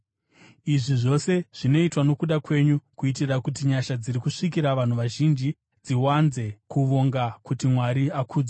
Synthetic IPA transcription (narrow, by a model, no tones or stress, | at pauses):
iʐiʐo̞se̞ʐ̥ino̞itwano̞kuɗakwe̞ɲukuitirakut̬iɲaʃad͡ziɾikuʂik̬iɾaʋan̤uʋaʒind͡ʒi | d͡ziwanze̞kuʋo̞ŋɡakutimwaɾiakʰuːd͡za